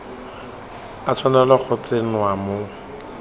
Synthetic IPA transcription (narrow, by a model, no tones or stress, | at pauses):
at͡sʰwanalak͡xʰʊt͡sen̩wamo